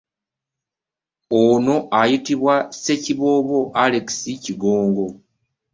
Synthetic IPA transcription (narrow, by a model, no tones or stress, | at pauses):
ono̞ʔajitiβwase̞ciβo̞βo̞ʔaleki̥siciɡoːŋɡo̞